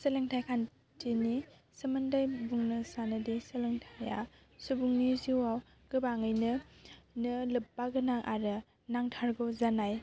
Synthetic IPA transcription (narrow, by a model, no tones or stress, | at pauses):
səleŋtʰajkʰan | tʰini | sɯmɯndajbuŋnɯsanɯdisɯlɯŋtʰaja̰ | subuŋniziwaw | ɡ̥ɯbaŋɯjnɯnɯlɯp̚ːaɡɯnaŋʔaɾɯ | naŋtʰaɾɡozanaj